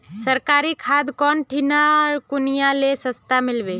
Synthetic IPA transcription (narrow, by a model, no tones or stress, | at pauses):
səɾkaːɾikʰad̪kɔnʈʰinaɾkʊnijalesəst̪amɪlbe